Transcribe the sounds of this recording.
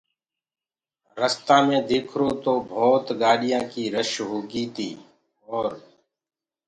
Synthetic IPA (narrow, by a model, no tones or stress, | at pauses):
ɾəst̪ãːmẽːd̪eːkʰɾoːt̪oːbʱɔːt̪ɡaːɽɪjãːkiːɾəʃɦoːɡiːt̪ʰiː | ɔːɾ